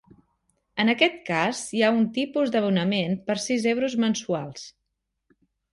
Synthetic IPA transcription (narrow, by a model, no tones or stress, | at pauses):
ənəkɛt̪kazjaunt̪ipuzd̪əβunəmenpəɾsizɛwɾuzmənsualˠs